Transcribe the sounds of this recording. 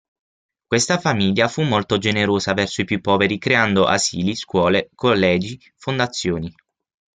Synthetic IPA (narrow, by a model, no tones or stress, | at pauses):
kwest̪afamiʎːafumːolt̪od͡ʒeneɾoːzavɛrsoipjupːɔːveɾikɾeand̪oʔa̰ziːliskwɔːlekolːɛːd͡ʒi | fond̪at̪sːjoːni